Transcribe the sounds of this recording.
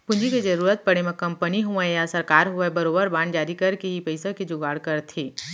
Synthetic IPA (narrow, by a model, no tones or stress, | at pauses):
pʊ̃nd͡ʒiked͡ʒɐɾuːɾət̪̚pɐɽemẽkɐ̃mpəniɦuẽjasɐɾkaːɾɦuebɐɾoːbəɾbãːɳd͡ʒaːɾikɐɾkeɦipɐɪsãked͡ʒʊɡaːɽkɐɾt̪ʰiː